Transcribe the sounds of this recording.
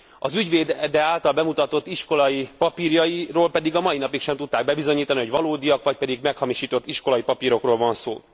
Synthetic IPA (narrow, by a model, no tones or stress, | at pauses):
ɒzyɟveːd̪d̪ɛaːlt̪ɒlbɛmut̪ɒt̪o̞t̪ːiʃko̞lɒjipɒpiːrjɒjiroːlpɛd̪iɡɒmɒjinɒpikʃɛmt̪ut̪ːaːɡ̚bɛbizo̞ɲiːt̪ɒniɦoɟvɒloːd̪ijɒkʋɒc̚pɛd̪iɡmɛkhɒmiʃiːt̪o̞t̪ːiʃko̞lɒjipɒpiːɾo̞kroːlvɒnso̰ː